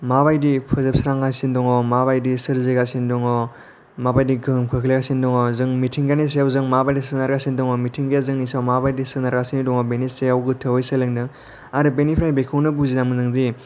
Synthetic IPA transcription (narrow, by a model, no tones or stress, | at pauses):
maβajdipʰɯzɯp̚sɾaŋɡasindɔŋɔmaβajdisɯɾziɡasindɔŋɔ | mabajdiɡɯmkʰɯkʰleɡasindɔŋɔzɯŋmitʰiŋɡanis̬ejawzɯŋmabajdisɯnaɾɡasindɔŋɔmitʰiŋɡjazɯŋnisawmabajdisɯnaɾɡasindɔŋɔbeniseawɡɯtʰɯwɯjsɯlɯŋdɯŋ | aɾɯbenipʰɾajbekʰɯwnɯbuzinamɯnzɯŋzi